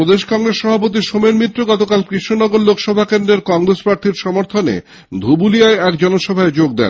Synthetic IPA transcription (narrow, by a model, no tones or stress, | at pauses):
ɾod̪eʃkɔŋɾesʃɔbʱapot̪̬iʃomeɾmit̪ːɾoɡɔt̪okalkɾiʃonɔɡoɾlokʃɔbʱakend̪ɾeɾkɔŋɾespɾaɾt̪ʰiɾʃɔmoɾt̪ʰonḛ | d̪ʱubulijaeɛkd͡ʑɔnoʃɔbʱaed͡ʑoɡ̚d̪ɛ̰n